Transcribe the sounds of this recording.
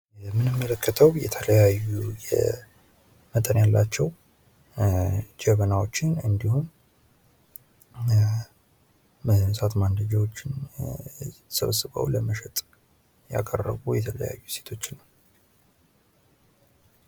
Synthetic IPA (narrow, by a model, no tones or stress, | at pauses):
mɨnɨmːələkʰːət̪ʰəwjɛ̰t̪ʰələjajːujɛ̰ | mət̪ʼənjalːat͡ʃːɛw | d͡ʒɛβənawo̞t͡ʃːɪnɨnd̪ihum | sat̪mand̪əd͡ʒawo̞t͡ʃːɪn | sə̰βsɨβə̰wləməʃɛt̪ʼ | ja̰kʼərːə̰βujɛt̪ʰələja̰jːuse̞̥t̪ʰo̞t͡ʃːnːəw